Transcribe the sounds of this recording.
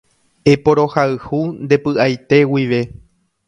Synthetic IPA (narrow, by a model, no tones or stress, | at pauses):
e̞po̞ɾo̞haɨhund̪e̞pɨʔajt̪e̞wiʋe̞